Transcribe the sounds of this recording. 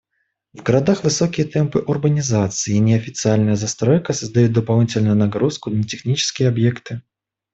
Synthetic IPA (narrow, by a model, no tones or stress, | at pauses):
vɡəɾɐd̪axvɨsokʲɪjət̪ɛmpɨʔʊrbənʲɪzat̪sɨɪnʲɪɐfʲɪt̪sɨalʲnəjəzɐst̪ɾojkəsəzd̪ɐjut̪̚d̪əpɐlˠnʲitʲɪlʲnʊjʊnɐɡɾuskʊnətʲɪxnʲit͡ɕɪ̥skʲɪjəɐbjekt̪ɨ